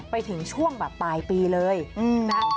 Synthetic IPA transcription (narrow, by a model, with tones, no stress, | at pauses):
pa˧jt̪ʰɯ˩˦ŋt͡ɕʰu˥˩əŋbɛː˨˩pːaː˧jpiː˧lɤː˧jʔɯː˧